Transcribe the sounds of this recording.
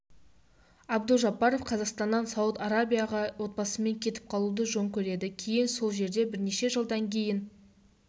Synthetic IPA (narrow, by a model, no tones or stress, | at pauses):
ɑbd̪əlˠʒɑpːɑɾo̞fqʰɑzɑqst̪ɑnːɑnsɑwət̪ɑɾabʲijɑʁɑwo̞t̪̚bɑsəme̞ŋkʲʰe̞t̪ɪp̚qʰɑlˠud̪əʒo̞ɴkʲʰɵɾe̞d̪ɪkʲʰe̞jɪnso̞lˠʒe̞ɾd̪e̞bɪɾne̞ʃe̞ʒəlˠd̪ɑŋkʲʰe̞jɪn